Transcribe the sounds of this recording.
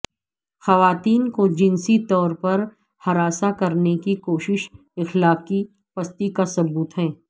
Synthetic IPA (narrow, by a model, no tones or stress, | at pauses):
xɐʋaːt̪iːnkod͡ʒɪnsit̪ɔːɾpɐɾ | hɐɾaːsakɐɾnekikoːʃɪʃ | ɪxlaːqi | pɐst̪ikasɐbuːt̪ɦɛ̃ː